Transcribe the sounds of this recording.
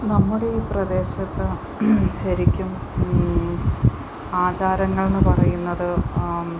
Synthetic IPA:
nɐmːuɽe̞iːprɐd̪e̞ːɕɐt̪ːɨ | ɕɐɾikʲːum | aːt͡ɕaːɾɐŋːɐɭnːɨpɐrɐjunːɐðɨ

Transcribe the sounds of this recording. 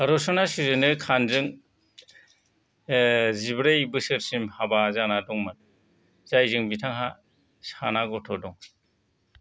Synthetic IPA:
aɾɔsɔnasizɯnɯkʰanzɯŋ | zibɾajbɯsɯɾsimhabazanadɔŋmɯn | z̥ajzɯŋbitʰaŋɦa | sanaɡɔtʰɔdɔŋ

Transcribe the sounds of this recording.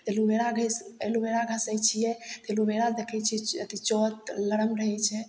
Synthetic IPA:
t̪elubeɾaɡʱəselubeɾaɡʱəsəjt͡ʃʰijɛt̪elubeɾad̪ekʰɛt͡ʃʰiɛət̪it͡ʃɔt̪ləɾəmɾəɦɛt͡ʃʰɛ

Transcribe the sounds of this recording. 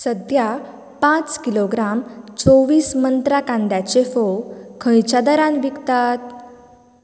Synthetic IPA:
səd̪ja | pãt͡skiloɡɾamt͡soʋiːsmənt̪ɾakãnd̪jat͡ɕefokʰə̃jt͡ɕad̪əɾãnʋikt̪at̪̚

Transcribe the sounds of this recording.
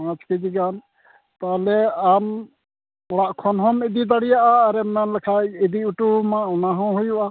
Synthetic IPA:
ãt͡ʃked͡ʒiɡan | t̪alɛam | ɔɽaʔkʰɔnɦɔmid̪id̪aɽijaʔaːɾɛmanlɛkʰajɛd̪iuʈumãɔnaɦɔ̃ɦujuʔa

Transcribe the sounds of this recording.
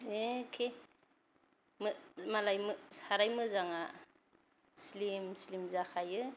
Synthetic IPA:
ekʰe | mɯmalajmɯsaɾajmɯzaŋa | slimslimzakʰajɯ

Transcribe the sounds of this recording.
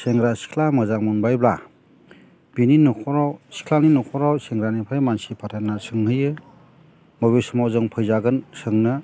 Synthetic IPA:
seŋɡɾasi̥kʰlamɯzaŋmunbajbla | bininukʰɔɾawsi̥kʰlaninukʰɔɾawseŋɡɾanipʰajmansipʰatʰanːasʰɯŋhɯjɯ | mɔbesɯmawzɯŋpʰɯjzaɡɯnsɯŋnɯ

